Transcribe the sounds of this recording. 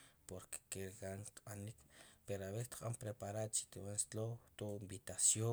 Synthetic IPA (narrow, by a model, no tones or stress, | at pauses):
poɾke̥keɾɡaŋqɓanikpeɾoaβet̪qʼampɾepaɾad̪t͡ʃi̥t̪iwanst̪lowt̪oimbit̪asjo